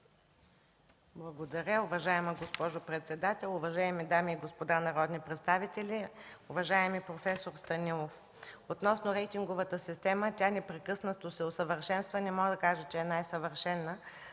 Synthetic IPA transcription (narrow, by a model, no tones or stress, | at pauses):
blˠɐɡod̪ɐɾʲəʊvɐʒaɛməɡospɔʒopɾɛt̪sɛd̪at̪ɛlˠʊvɐʒaɛmid̪amiːɡospod̪anɐɾɔd̪nipɾɛt̪st̪avit̪ɛlʲiʊvɐʒaɛmipɾofɛsoɾst̪ɐnilˠof | ot̪nɔsnʊɾɛjt̪ʲiŋɡovət̪əsist̪ɛmətʲanɛpɾɛkɤsnət̪osɛosəvəɾʃɛnst̪vənɛmɔɡəd̪ɐkaʒət͡ʃɛɛnajsɐvəɾʃɛnːə